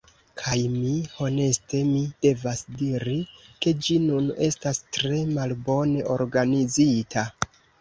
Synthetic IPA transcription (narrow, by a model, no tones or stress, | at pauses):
kʰajmiho̞ne̞ste̞mide̞vasdiɾike̞d͡ʒinune̞stastɾe̞malbo̞ne̞ʔo̞ɾɡanizitʰa